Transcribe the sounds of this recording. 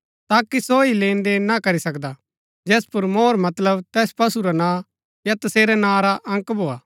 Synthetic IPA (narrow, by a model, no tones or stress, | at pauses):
t̪aːkisoileːnd̪eːnakɐɾisɐkd̪a | d͡ʒɛːspʊɾmoːɾmɐt̪ləbt̪ɛːspɐsuɾanãː | jat̪ɐseːɾɛnãːɾaʔɐ̃ŋkbʱoːaː